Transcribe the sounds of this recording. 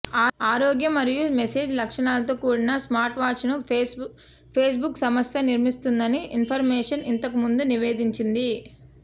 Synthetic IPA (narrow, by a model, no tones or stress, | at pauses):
aːɾoːɡjɐmɐɾijumese̞ːd͡ʒlɐkʂɐɳaːlɐt̪oːkuːɽinɐsmaːɾʈʋaːt͡ʃnu | pʰeːs̬buksɐmɐstɐniɾmist̪und̪ɐniʔinpʰɐɾmɛːʂɐnint̪ɐk̬umund̪uniʋe̞ːd̪iɲt͡ʃind̪i